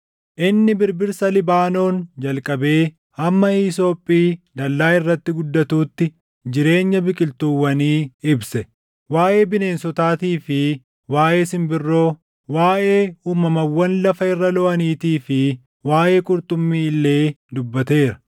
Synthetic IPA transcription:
ʔɪnːɪbɪɾbɪɾsɐlɪbaːno̞ːnd͡ʒɐlkʼɐbe̞ː | ɐmːɐiːso̞ːpʼːiːd̪ɐlːaːɪrːɐt̪ːɪɡʊd̪ːɐt̪uːt̪ːɪ | d͡ʒɪɾe̞ːɲːɐbɪkʼɪlt̪uwːɐniːɪbsɛ | waːʔe̞ːbɪne̞ːnsɔt̪aːt̪iːfɪ | waːʔe̞ːsɪmbɪrːo̞ː | waːʔe̞ːuːmɐmɐwːɐnlɐfɐɪrːɐlɔʔɐniːt̪iːfɪ | waːʔe̞ːkʼʊɾt̪ʼʊmːiːɪlːe̞ːd̪ʊbːɐt̪e̞ːɾɐ̥

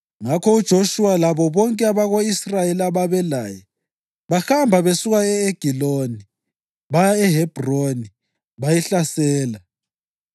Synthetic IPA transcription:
ŋakʰɔud̥ʒ̥ʱoʃuwalaβɔβɔŋkʼɛaβaɣoisrajelaβaβɛlajɛ | βaxambʱaβesuɣaɛeɡ̥ʱiloni | βajaɛɦɛb̥ʱroni | βajɛɬasɛːla

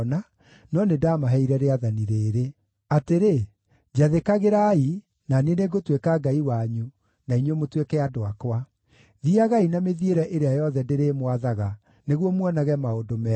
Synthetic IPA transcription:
na | nɔnedamaɦɛiɾɛɾeaðaniɾeːɾe | ateɾe | d͡ʑaðekaɣeɾai | naneneɡotwekaɡaiwaɲu | naiɲemotwekɛadoakwa | ðiaɣainameðieɾɛʔeɾeajɔðɛndeɾeːmwaðaɣa | neɣwɔmwɔnaɣɛmaodomɛ

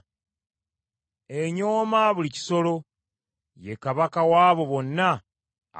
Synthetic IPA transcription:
eɲo̞ːmaβulici̥so̞lo̞ | je̞kaβakawaːβo̞βo̞nːa̰

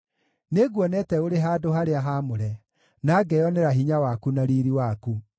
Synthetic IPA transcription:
neɡwɔnɛtɛoɾeɦadoɦaɾeaɦamoɾɛ | naːɡɛjɔneɾaɦiɲawakunaɾiɾiwaku

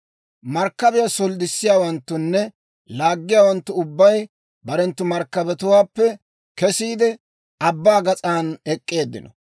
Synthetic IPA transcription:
mɐɾkːɐbɛjasɔld̪ɪsːɪjaːwɐnt̪ːʊnːɛ | laːɡːɪjaːwɐnt̪ːʊʊbːɐj | bɐɾɛnt̪ːʊmɐɾkːɐbɛt̪ʊwaːpːɛ | kɛsiːd̪ɛ | ɐbːaːɡɐt͡sʼaːnɛkʼːe̞ːd̪ːɪ̰nɔ

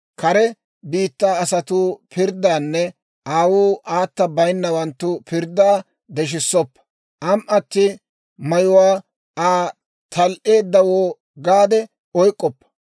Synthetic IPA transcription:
kɐɾɛ | biːt̪ːaːɐsɐt̪uːpɪɾd̪aːnːɛ | ʔaːwuːʔaːt̪ːɐbɐjnːɐwɐnt̪ːʊpɪɾd̪ːaː | d̪ɛʃ̬ɪsːɔpːɐ̥ | ʔɐmʔɐt̪ːɪ | mɐjʊwaː | aː | t̪ʰɐlʔe̞ːd̪ːɐwoː | ɡaːd̪ɛ | ɔjkʼːɔpːɐ̥

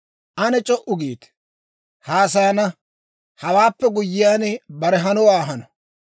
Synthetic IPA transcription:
ʔɐnɛt͡ʃʼɔʔʊɡiːt̪ | haːs̬ɐjɐnɐ | hɐwaːpːɛɡʊjːɪjaːnɛbɐɾɛɦɐnɔwaːɦɐnɔ

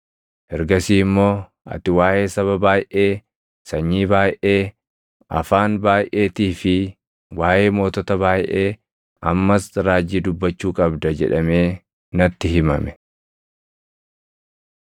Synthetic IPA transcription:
ʔɛɾɡɐsiːmːo̞ː | ʔɐ̰t̪ɪwaːʔe̞ːsɐβɐbaːjʔe̞ː | sɐɲːiːbaːjʔe̞ː | ʔɐ̰faːnbaːjʔe̞ːt̪iːfɪ | waːje̞ːmo̞ːt̪ɔt̪ɐbaːjʔe̞ː | ʔɐmːɐsɾaːd͡ʒːiːd̪ʊbːɐt͡ʃːuːkʼɐbd̪ɐd͡ʒɛ̰ᶑɐme̞ː | nɐt̪ːɪɦɪmɐ̰mɛ̥

